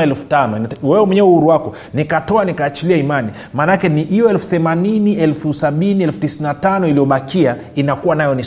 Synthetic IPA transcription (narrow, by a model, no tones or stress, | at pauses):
ɛlfu̥tanɔwɛwɛmwɛɲɛɛuhuɾuwakɔ | nikatɔanikaːt͡ʃiliaimani | maːnakɛniʔijɔɛlfuθɛmaniniɛlfusaɓiniɛlfu̥tisinatanɔilijɔɓakia | inakuwanajɔni